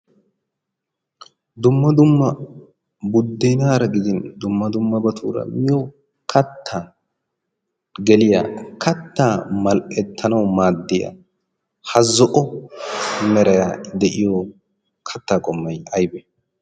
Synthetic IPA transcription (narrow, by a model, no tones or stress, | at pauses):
d̪ʊmːɐd̪ʊmːɐ | bʊd̪ːɛjnaːɾɐɡɪd̪ɪnd̪ʊmːɐd̪ʊmːɐbɐt̪ʰṵːɾɐ̰mɪjo | kʰɐt̪ʰːaː | ɡɛlɪjɐ̰kʰɐt̪ːaːmɐlʔɛt̪ʰːɐnɐwmaːd̪ːɪjɐ̰ | hɐzɔʔɔ | mɛɾɐjad̪ɛʔɪjɔ | kʰɐt̪ːaːkʼɔmːɐjɐjbɛ